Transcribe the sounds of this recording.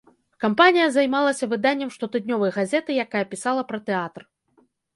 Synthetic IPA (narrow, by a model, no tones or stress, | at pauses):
kampanʲijɐzajmalˠɐsʲɐvɨd̪anʲːɛmʂt̪ɔt̪ɨd̪ʲnʲɔvɐjɐɣazʲɛt̪ɨjakajɐpʲisalˠɐpɾɐt̪ɛat̪r